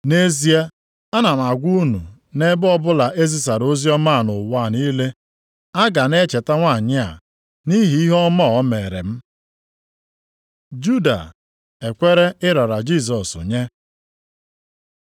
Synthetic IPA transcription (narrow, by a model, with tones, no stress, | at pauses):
ne˦zi˦e˦ | a˦na˨m̩˨a˨ɡʷu˦nṵ˨ | ne˦bɔ˦bʊ˦la˨ʔe˦zi˨s̬a˨ɾo˦zi˦ɔ˦ma˦˨nʊ˨wa˦˨ni˦le˦ | a˦ɡa˨ne˦t͡ʃe˨ta˦ŋʷa˦˨ɲɪ˦a̰˨ | ni˦ɦi˨˦i˦ɦɔ˦mɔ˦˨ɔ˦meː˨ɾḛ˨m̩˦ | d͡ʒu˦da̰˨ | e˨kʷe˦ɾe˦ɪ˦ɾɔ˨ɾa˨d͡ʒi˦˨s̬ɔ˨sʊ̰˨ɲe˦